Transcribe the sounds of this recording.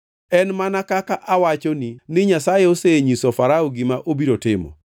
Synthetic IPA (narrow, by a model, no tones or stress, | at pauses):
ɛnmanakakaʔawat͡ʃoninɪɲasajɛoseɲisofaɾaoɡimaʔobiɾotɪmɔ̰